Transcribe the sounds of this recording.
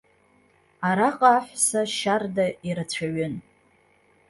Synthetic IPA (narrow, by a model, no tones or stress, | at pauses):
aɾaqʼaːħʷsaʃardaiɾat͡ɕʷʰaɥʏn